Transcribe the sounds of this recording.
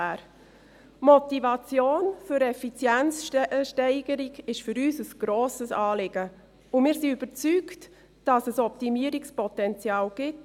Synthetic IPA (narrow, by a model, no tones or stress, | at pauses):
æːɾ | mɔtivɑt͡sjoːnfʏɾɛfit͡sjɛnt͡sʃtɛɪɡ̥əɾiɡɪʃfʏɾyːsəsɡ̥ɾoːsəsɑːlɪɡ̥ə | ʊmɪːɾsiyb̥əɾt͡sykt | d̥ɑsəsɔp̚timiəɾikspɔtɛnt͡sjɑːlɡ̥ɪt